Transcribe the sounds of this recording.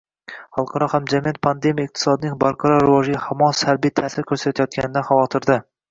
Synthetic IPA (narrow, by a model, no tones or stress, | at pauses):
χɑlˠqʰɑɾɒhamd͡ʒamɪjat̪̚pʰand̪emijaɪq̚t̪ʰɪ̥sɒd̪ɪnɪŋbɒɾqʰɑɾɒɾɪvɒʒɪɡʲɪhamɒsaɾbijt̪ʰæːsɪɾkʰʲɵɾsat̪ʰajɒt̪̚kʲanɪd̪aχɑvɒt̪ʰɪɾd̪ɪ